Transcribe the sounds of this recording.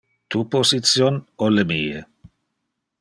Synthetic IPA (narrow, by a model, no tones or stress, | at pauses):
t̪uposit̪sjonolemiːḛ